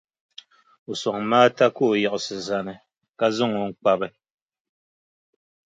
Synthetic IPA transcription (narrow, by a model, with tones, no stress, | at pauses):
u˨sɔ˨ŋ˨maː˦ta˦ko˦˨ja˨ʔʊ˨sɨ˨za˨nɨ˨ | ka˦zʊ˦ŋo˨˦ŋ̩˦k͡pa˦bɨ˦